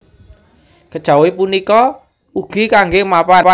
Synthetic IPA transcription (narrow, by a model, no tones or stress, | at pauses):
kəd̥ʒ̥a̤wipunikɔ | uɡ̥ikaŋɡemapapa